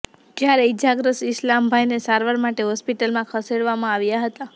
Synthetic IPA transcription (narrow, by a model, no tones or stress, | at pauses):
d͡ʒjaɾed͡ʒaɡɾəsɪslambʱajnesaɾʋaɾmaʈeɦɔspiʈəlmãkʰəseɽʋamãaʋjaɦət̪a